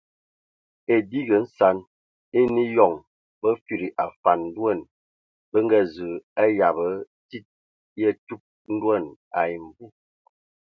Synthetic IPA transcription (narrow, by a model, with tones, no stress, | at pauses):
e˨di˦ɡə˨n̩˦sa˨˦n | e˦ni˦jɔ˨ŋ | bə˦fi˨ɾi˨ʔa˨fa˨n̩ː˦dwə˦˨n | bə˦ŋ˦ɡə˦zə˨a˦ja˨bə˨˦ | ti˦t̚ | jə˦tu˦p̚ | n̩˦dwə˦˨na˨i˨m˨bu˦